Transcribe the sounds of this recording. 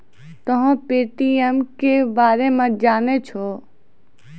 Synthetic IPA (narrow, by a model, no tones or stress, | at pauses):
t̪ɐɦãpeːʈiemkebaːɾemãd͡ʒaːnet͡ʃʰɔː